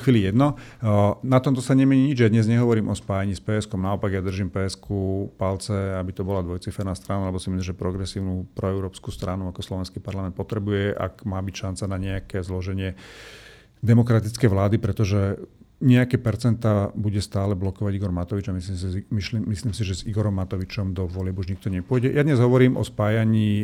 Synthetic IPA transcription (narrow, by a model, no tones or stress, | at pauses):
xʋiːlijɛd̪nɔ | nat̪ɔmt̪̬ɔsaɲɛmɛɲiɲid͡ʒjad̪ɲɛzɲɛɦɔʋɔɾiːmʔɔspaːjaɲiːspɛːɛskɔmnaɔpaɡjad̪r̩ʒimpɛːɛskʰupalt͡sɛabit̪ɔbɔlad̪ʋɔjt͡sifɛɾnast̪ɾanualɛbɔsimislimʒɛpɾɔɡɾɛsiːʊnupɾɔɛʊɾɔːpskuːst̪ɾanuakɔslɔʋɛnskiːpaɾlamɛnt̪pɔt̪ɾɛbujɛʔa̰kmaːbicʃant͡sanaɲɛakɛzlɔʒɛɲɪɛ | d̪ɛmɔkɾat̪it͡skɛjʋlaːd̪ipɾɛt̪ɔʒɛɲɛakɛːpɛɾt͡sɛnt̪aːbuɟɛst̪aːlɛblɔkɔʋaɟiɡɔɾmat̪ɔʋid͡ʒamisimimiimisliːmsiʒɛziɡɔɾɔmːat̪ɔʋit͡ʃɔmd̪ɔʋɔlɪɛbuʒɲikt̪ɔɲɛpʊɔjɟɛjad̪ɲɛzɦɔʋɔɾiːmʔɔ̰spaːjaɲiː